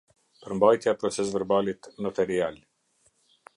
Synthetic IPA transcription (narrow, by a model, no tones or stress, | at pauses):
pəɾmbajt̪japɾɔt͡sɛs̬vɛɾbalit̪nɔt̪ɛɾial